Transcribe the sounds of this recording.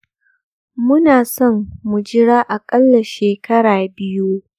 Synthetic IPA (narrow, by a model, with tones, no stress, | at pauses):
mʊ˦naː˨sɔ˦˨mːʊ˨d͡ʒɪ˦ɽaː˦ʔa˨kʼɐ˦lːɐ˨ʃeː˨kɐ˦ɽaː˨bɪ˦ju˦